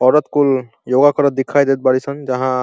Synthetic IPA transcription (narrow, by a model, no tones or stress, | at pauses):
ɔɹɔt̪kul | joɡakɔɹɔd̪ikʰːajd̪et̪̚baɹisɔnzaɦã